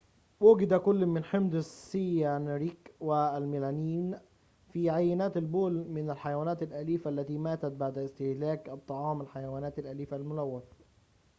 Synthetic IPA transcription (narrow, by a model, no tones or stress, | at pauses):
wʊɡɪd̪ækʊlːmɪnħɪmd̪ɪsːijænɾiːkwɪlmilæniːn | fiːʕajːɪnæːt̪ɪlboːlmɪnælħajawæːnæːt̪ɪlʔæliːfæʔlːæt̪iːmæːt̪æt̪̚baʕd̪ɪst̪ɪhlæːkʔɑt̪ˤːɑʕɑːmɪlħajæwæːnæːt̪alʔæliːfælmʊlæwːæt̪